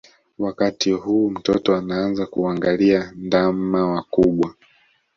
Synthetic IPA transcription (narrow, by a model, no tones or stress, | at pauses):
wakatihuːm̩tɔtɔanaanzakuaŋɡaliandamawakuɓwa